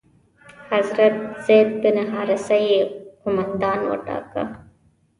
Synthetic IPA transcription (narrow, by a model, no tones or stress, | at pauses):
hazɾat̪̚z̥ed̪̚bɪnaɦɑːɾasajqʊmand̪ɑːnwə̰ʈɑ̰ːka̰